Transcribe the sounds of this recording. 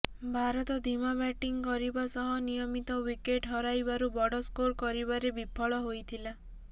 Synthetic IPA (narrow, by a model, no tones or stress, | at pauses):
bʱaɾɔt̪ɔd̪ʱimabɛʈiŋkɔɾibasɔɦɔnijɔmit̪ɔwikeʈɦɔɾajbaɾubɔɽɔskoɾkɔɾiβaɾebipʰɔɭɔɦojt̪ʰila